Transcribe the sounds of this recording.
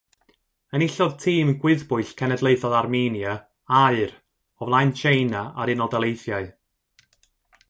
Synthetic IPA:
ənɪɬɔðtʰiːmɡwɪðbʊɨɬkʰɛnɛdlˠeɨθɔðarminja | aɨɾ | ɔvlˠajnt͡ʃʰejnaaɾɪnɔlˠdɛlˠejθjaɨ

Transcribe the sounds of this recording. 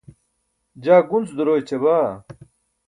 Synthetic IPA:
d͡ʑaːɡunt͡sd̪uɾoːjt͡ɕebaː

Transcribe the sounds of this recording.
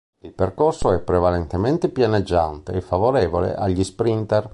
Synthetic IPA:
ilperkorsoɛpːɾevalent̪ement̪epjaned͡ʒːant̪ḛːfːavoɾɛːvolḛʔaʎːispɾint̪ɛr

